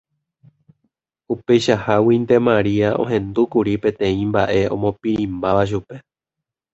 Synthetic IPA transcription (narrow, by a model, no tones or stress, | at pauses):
upe̞jʃahawind̪e̞mãɾiaõ̞̰ɦẽ̞nd̪ukuɾipẽ̞t̪ẽ̞ĩmba̰ʔe̞õ̞̰mõ̞piɾĩmbaʋaʃ̬upe̞